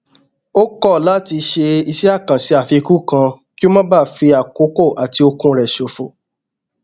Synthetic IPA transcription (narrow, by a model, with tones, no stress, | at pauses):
o˦kɔ˦˨la˨˦˨ti˧ʃe˧i˧si˦a˦˨kã˨si˧˦a˨fi˧ku˦kã˧ | ki˦o˦mã˦ba˦˨fi˧a˨ko˨˦ko˦˨ʔa˨ti˧o˧kũ˧ɾɛ˨ʃo˨fo˨